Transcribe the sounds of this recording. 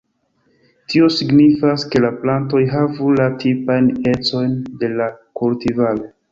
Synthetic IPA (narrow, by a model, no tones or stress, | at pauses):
tʰio̞siɡnifaske̞laplanto̞jɦavulatʰipajne̞t͡so̞jnde̞lakultivalo̞